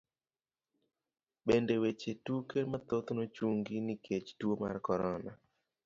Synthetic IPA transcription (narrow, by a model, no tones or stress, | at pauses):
bendewet͡ʃetukemat̪ot̪not͡ʃuŋɡinikʰet͡ʃtwoma̰rkɔɾɔna